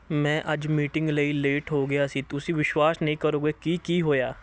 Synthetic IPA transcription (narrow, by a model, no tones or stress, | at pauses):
mɛ̃ːʔɐd͡ʒmiːʈɪ̃ŋɡleileːʈɦoːɡɪjaːsiːt̪ʊsĩːʋɪʃwaːsnəɦĩːkəɾoːɡeːkiːkiːɦoːjaː